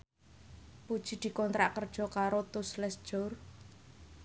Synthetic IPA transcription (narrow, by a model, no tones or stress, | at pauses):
pud̥ʒ̥i̤d̪̥i̤kɔnt̪ɾaʔkərd̥ʒ̥ɔ̤kaɾot̪ʊslɛsʒ̥ɔr